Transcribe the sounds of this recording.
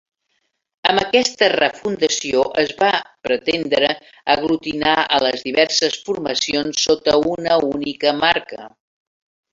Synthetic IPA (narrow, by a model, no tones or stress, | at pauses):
əmbəkɛst̪ərəfund̪əsioʔəzβapɾət̪end̪ɾə | əɣlut̪inaə̰ləzðiβɛɾsəsfurməsionsːot̪əunəunikəmaɾkə̰